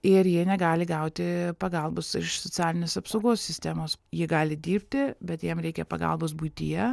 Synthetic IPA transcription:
ɪɾjiɛnʲɛɡɑːlʲɪɡɐʊt̪ʲɪpɐɡɐlˠbosɪʃsot͡sʲæːlʲɪnʲeːsɐpsoʊɡoːsʲsːʲɪsʲt̪ʲæːmoːsjiɛɡɑːlʲɪd̪ʲiːɾʲpʲt̪ʲɪbʲɛt̪jiɛmɾʲɛɪkʲɛpɐ̰ɡɐ̰lˠboːs̬buɪt̪ʲijɛ

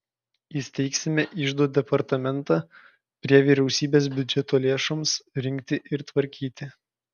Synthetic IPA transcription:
jɪsʲt̪ʲɛɪksʲɪmʲɛʔɪʒd̪uɔt̪̚d̪ʲɛpɐɾt̪ɐmʲɛnt̪ɑː | pʲɾʲiɛʋʲiːɾʲɛʊsʲiːbʲeːs̬bʲʊd͡ʒʲɛt̪oːlʲeːʃomsɾʲɪŋʲk̚ʲt̪ʲɪʔɪɾt̪ʋɐɾʲkʲiːt̪ʲɪ

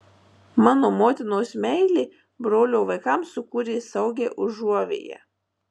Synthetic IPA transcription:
mɑːnoːmoːt̪ʲɪnoːsmʲɛɪlʲiː | bɾoːlʲoːʋɐɪkɑmsʊkuːɾʲeːsɐʊɡʲeːʔʊʒuɔʋʲḛːjɛ̰

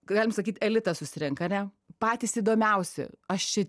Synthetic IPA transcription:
ɡɑːlʲɪmsɐkʲiːt̪ʲɛlʲɪt̪ɐsʊsʲɪɾʲɪŋkɐnʲɛ | pɑːt̪ʲiːsiːd̪oːmʲɛʊsʲɛ̰ɐʃt͡ʃʲɛ

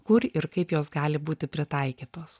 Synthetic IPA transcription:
kʊɾɪɾkɐɪpjoːsɡɑːlʲɪbuːt̪ʲɪpʲɾʲɪt̪ɐɪkʲiːt̪oːs

